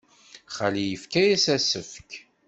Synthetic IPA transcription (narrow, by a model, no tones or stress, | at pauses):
χalijəfkæjæsæsəfk